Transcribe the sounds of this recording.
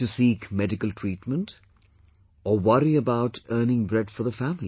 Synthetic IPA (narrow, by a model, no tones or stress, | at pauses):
tusiːkmɛdɪkəlʈʰɹ̥iːʈmə̃nʈ | ɔwʌɾiəbaʊʈɜːnɪ̃ŋbɾɛdfəðəfæmli